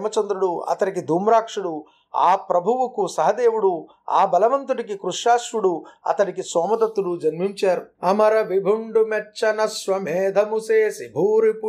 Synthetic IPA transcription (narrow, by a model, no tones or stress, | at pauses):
mɐt͡ʃɐnd̪ɾuɽuɐ̰t̪ɐnik̬id̪ʱuːmɾaːkʂuɽu | a̰ːpɾɐbʱuʋukusɐɦɐd̪eːʋuɽu | a̰ːbɐlɐʋɐnt̪uʈik̬ikɾuʂaːʃʋuɽuɐ̰t̪ɐnikisɔːmɐd̪ɐt̪ːuɽud͡ʒɐnmiɲt͡ʃaːɾuɐmɐɾɐʋibʱuɳɖumɛʈːt͡ʃːɐnɐsʋɐmeːd̪ʱɐmuseːsibʱuːɾipu